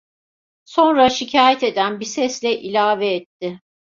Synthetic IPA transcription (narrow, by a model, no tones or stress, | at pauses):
so̞nɾaʃicʰaːjɛt̪e̞d̪ænbisɛslʲɛʔilʲaːvɛːt̪ʰːɪ